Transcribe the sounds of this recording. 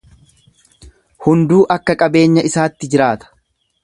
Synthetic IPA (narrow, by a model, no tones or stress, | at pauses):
hʊnd̪uːʔɐkːɐkʼɐbe̞ːɲːɐɪsaːt̪ːɪd͡ʒɪɾaːt̪ɐ̥